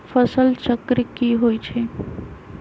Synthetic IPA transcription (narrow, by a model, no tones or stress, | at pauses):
pʰəsəlt͡ʃəkɾikiɦojt͡ʃʰe